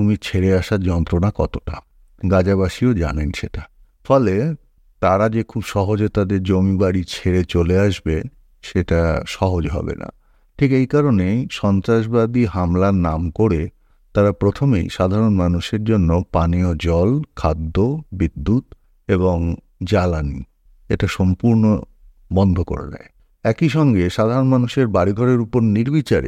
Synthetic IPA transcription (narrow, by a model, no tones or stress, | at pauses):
umit͡ɕʰeɾeaʃaɾd͡ʑɔnt̪ɾonakɔt̪oʈa̰ | ɡad͡ʑaβaʃiod͡ʑa̰nenʃeʈa | fɔle | t̪aɾad͡ʑekʰubʃɔɦod͡ʑet̪ad̪eɾd͡ʑomibaɽit͡ɕʰeɾet͡ɕoleaʃbe | ʃeʈaʃɔɦod͡ʑɦɔ̰bḛna̰ | ʈʰikejkaɾoneʃɔnt̪ɾaʃ̬bad̪iɦamlaɾnamkoɽe | t̪aɾapɾot̪ʰomḛjʃad̪ʱaɾonmanuʃeɾd͡ʑonːopaniod͡ʑɔlkʰad̪ːobid̪ːut̪ | eboŋ | d͡ʑalanḭ | eʈaʃɔmpuɾno̰ | bɔnd̪ʱoko̰ɾa̰d̪a̰e | ɛkiʃɔŋɡeʃad̪ʱaɾonmanuʃeɾbaɽiɡʱɔɽeɾupoɾniɾbit͡ɕaɾḛ